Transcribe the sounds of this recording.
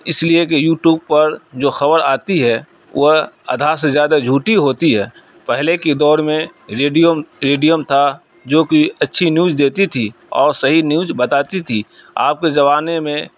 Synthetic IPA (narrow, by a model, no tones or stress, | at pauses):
ɪsliekejuːʈjuːb̚pɐɾd͡ʒoːxɐbəɾaːt̪iɦɛ | wɐɦɐ̰d̪ʱaːɾsezjaːd̪ad͡ʒʱuːʈiɦoːt̪iɦɛː | pɛɦleked̪ɔːɾmẽɾeɖijomɾeːɖijəmt̪ʰa | d͡ʒoːkiɐtːʃʰinjuːd͡ʒd̪eːt̪it̪ʰi | ɔ̰ːɾsɐɦinjuːd͡ʒbɐt̪aːt̪it̪ʰiː | a̰ːp̚ked͡ʒɐʋaːnemẽ